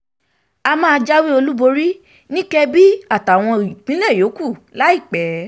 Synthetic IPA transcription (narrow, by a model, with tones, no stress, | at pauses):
a˧mãː˦˧d͡ʒa˦wi˦o˧lu˦bo˧ɾi˦ | nĩ˦kɛ˧bi˦a˦˨ta˨w̃ɔ̃˧i˨k͡pĩ˨˦lɛ˦˨jo˨˦ku˦˨la˦i˦˨k͡pɛ˨˦